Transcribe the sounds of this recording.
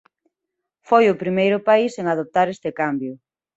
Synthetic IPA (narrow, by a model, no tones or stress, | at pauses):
fojʊpɾimejɾʊpaiseŋaðop̚t̪aɾest̪ɪkambjʊ